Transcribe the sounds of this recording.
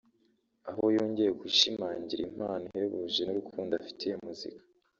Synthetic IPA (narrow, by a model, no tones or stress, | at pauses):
ahojoːɲɟejekuʃimaːɲɟiɾim̥aːniheβuʒenuɾukʰuːndafi̥tʰejemuzḭkḁ